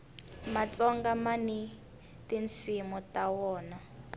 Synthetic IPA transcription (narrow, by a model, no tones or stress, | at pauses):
mat͡sɔŋɡamani | tint͡sʰimutawɔːna